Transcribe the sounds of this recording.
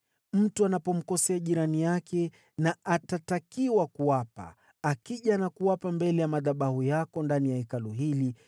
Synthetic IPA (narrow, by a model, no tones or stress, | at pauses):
m̩tuanapɔm̩kɔsɛaʄiɾanijakʰɛ | naʔatatakiwakuwapa̰ | akiʄanakuwapambɛlɛjamaðaɓahujakɔndanijaikaluɦili